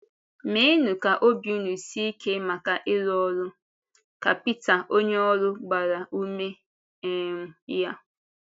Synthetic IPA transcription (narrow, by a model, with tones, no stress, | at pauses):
me˦nu˨ka˨ʔo˦bju˦nu˨si˦i˦kʰe˦ma˨ka˨ʔɪ˦ɾɔ˦ɾʊ˦ | ka̰˨pi˦ta˨ʔo˦ɲe˦ɔ˦ɾʊ˦ɡ͡ba˨ɾa˨u˦me˦ | m̩˦ja˦